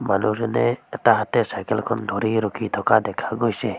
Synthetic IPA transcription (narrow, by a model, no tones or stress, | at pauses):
manusneɛt̪aɦat̪esajkəlkʰɔnd̪ʱoɾiɾʊkʰit̪ʰɔkad̪ekʰaɡojse